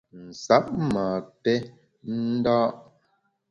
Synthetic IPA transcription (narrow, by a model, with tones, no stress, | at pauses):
n̩˨sa˨˦p̚maː˨tɛ˦ | n̩˦daː˦ʔ